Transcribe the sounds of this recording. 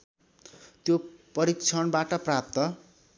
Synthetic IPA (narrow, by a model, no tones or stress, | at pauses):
t̪jopʌɾik̚t͡sʰʌnbaʈʌprap̚t̪ʌ